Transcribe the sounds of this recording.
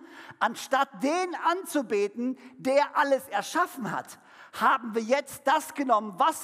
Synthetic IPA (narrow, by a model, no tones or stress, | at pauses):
ʔanʃtat̚d̥eːnʔant͡subeːtn̩deːɐʔaləsɛɐʃafn̩ha̰t | haːbm̩viːɐjɛt͡st̚d̥asɡ̥ənɔmənvas